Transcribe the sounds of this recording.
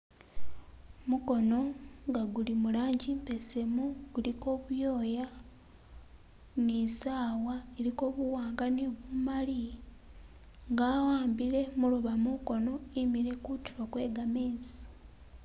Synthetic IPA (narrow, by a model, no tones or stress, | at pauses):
muko̞no̞ŋɡaɡulimulaːɲɟimpe̞se̞muɡuliko̞ːβujo̞ːja | nisaːwaeɾiko̞ːβuwaːŋɡaneβumali | ŋɡaːwaːmbiɾe̞muluβamuko̞no̞imiɾe̞kutiɾokwe̞ːɡameːzi